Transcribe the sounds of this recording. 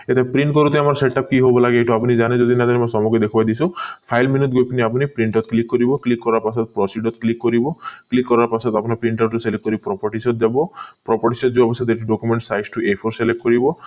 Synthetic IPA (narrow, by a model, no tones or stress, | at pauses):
et̪ʰepɾiɳʈ̚kɔɾut̪aamɔɾseʈap̚kiɦobɔlaɡeeʈɔapunid͡ʒaned͡ʒɔd̪inad̪aɾemɔsɔmɔɡɔd̪ekʰubajd̪isũpʰajlminit̪̚ɡojpiniap̬unipɾiɳʈɔt̪klikːɔɾibɔklikːɔɾaɾpasɔt̪pɾɔsiɖɔt̪klikːɔɾibɔklikːɔɾaɾpasɔt̪apɔnapɾiɳʈɔɾʈuselek̚kːɔɾipɾɔpɔɾʈisɔt̪̚d̪abɔpɾɔpɔʈisɔt̪̚d͡ʒuɔbɔst̪ʰet̪eʈiɖokumeɳʈsajsʈuepʰoɾselek̚ːkɔɾibɔ